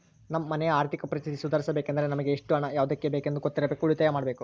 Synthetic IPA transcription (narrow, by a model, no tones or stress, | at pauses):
nɐmːɐːɐnɛjɐaːɾt̪ʰikɐpɐɾist̪ʰit̪isud̪ʱaːɾisɐbeːkɐnd̪ɐɾenɐmɐɡeːʂʈuɐɳɐjaːʋud̪ɐkːebeːkend̪uɡot̪ːiɾɐbeːkuuɭit̪ɐjɐmaːɽɐbe̞ːku